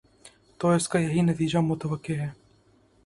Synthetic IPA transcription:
t̪oːɪskajɐɦinɐt̪iːd͡ʒamʊt̪əʋəkːeɦɛː

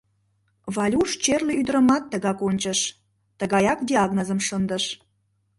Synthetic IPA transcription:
βɑlʲuʃt͡ɕerleyd̪əɾə̆mɑt̪ːəɣɑkonʲt͡ɕəʃ | t̪əɣɑjɑk̚d̪ʲiɑɣnozəmʃənd̪əʃ

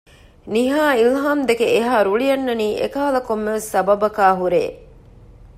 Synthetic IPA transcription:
niɦaːilɦaːmd̪ekeʔeɦaːɾuɭijɐnːɐniːʔḛkɐːɐlɐkomːeʋesːɐbɐbɐkaːɦuɾḛː

